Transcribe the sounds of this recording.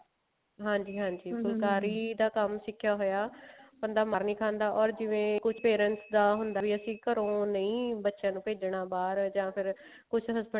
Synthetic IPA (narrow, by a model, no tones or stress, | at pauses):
ɦãːɲd͡ʒiːɦãːɲd͡ʒiːkʊlkaːɾiːd̪aːkəmsɪkʰːjaːɦoːjaːbənd̪aːmaːɾnĩːkʰãːnd̪aːʔɔːɾd͡ʒɪʋẽːkʊt͡ʃʰpeːɾə̃nsd̪aːɦʊnd̪aːʋiːəsĩːkəɾõːnəĩːbətːʃãːnũːpeːd͡ʒɽaːbaːɾd͡ʒãːpʰɪɾ | kʊt͡ʃʰɦəsbə